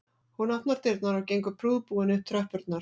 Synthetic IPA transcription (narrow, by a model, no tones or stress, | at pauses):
hunat̪naɾt̪ɪɾt̪naɾawcejŋkʏpʰɾuːðpuːɪnʏt̪ʰɾœhpʏɾt̪̚naɾ̥